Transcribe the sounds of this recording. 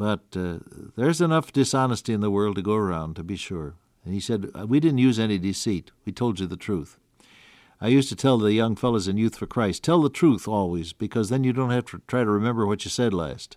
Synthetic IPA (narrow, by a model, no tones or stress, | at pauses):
b̥ʌt̪̚ðə˞zɨnʌfd̥ɨsɑnəstiɨ̃nðəwɜ˞lˠd̚tɨɡoʊə˞ãʊ̃ntɨbiʃʊɹ | ɨ̃nisɛd̚widɪdⁿn̩tjʉzɛnidɨsit̚witʰoʊlˠd͡ʒɨðɨtʰɹ̥uθ | aɪjʉstɨtʰɛlˠðɨjʌ̃ŋfɛlˠoʊzɨ̃njʉθfə˞kʰɹ̥aɪstʰɛlˠðətʰɹ̥uθɔlˠwizbɨkʰʌzðɨ̃njɨdõʊ̃nt̚hæftʰɨtʰɹ̥aɪɾɨɹɨmɛ̃mbə˞wʌt͡ʃɨsɛdˡlæ̰st